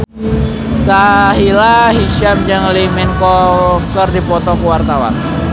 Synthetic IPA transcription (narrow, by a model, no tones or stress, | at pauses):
saɦilaɦiʃamd͡ʒəŋlimɛnkɔkərdipɔt̪ɔkuwart̪awa̰n